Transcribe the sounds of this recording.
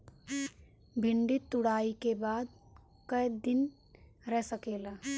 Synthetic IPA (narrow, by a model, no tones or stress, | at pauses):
bʱɪɳɖɪt̪ːʊɽaːikebaːd̪̚ | kəjd̪ɪn | ɾɛɦsəkeːlaː